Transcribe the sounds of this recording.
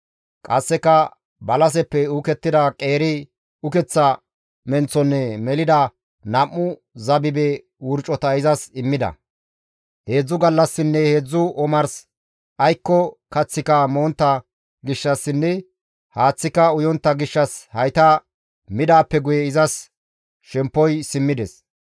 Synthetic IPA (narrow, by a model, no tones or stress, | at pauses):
kʼɐsːɛkːɐ | bɐlɐs̬ɛpːɛʊkɛt̪ːɪd̪ɐkʼe̞ːɾɪ | ʊkɛt͡sːɐ | mɛnt͡sːɔnːɛmɛlɪd̪ɐ | nɐmːʊ | zɐbɪbɛ | wʊɾt͡ʃʼːɔt̪ɐɪzɐsɪmːɪd̪ɐ̰ | he̞ːd͡zːʊɡɐlːɐsːɪnːɛheːd͡zːʊʔɔmɐɾs | ʔɐjkːɔkɐt͡sːɪkɐmo̞ːnt̪ːɐ | ɡɪʃːɐsːɪnːɛ | haːt͡sːɪkɐʊjɔnt̪ːɐɡɪʃːɐshɐjt̪ɐ | mɪd̪aːpːɛɡʊjɛɪzɐs | ʃɛmpːɔjsɪmːɪd̪ɛs